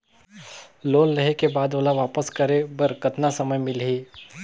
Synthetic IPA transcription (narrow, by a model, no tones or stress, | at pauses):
loːlːɐɦekebaːd̪oːlaʋaːpəskɐɾebɐɾkɐt̪nasɐməjmɪlɦiː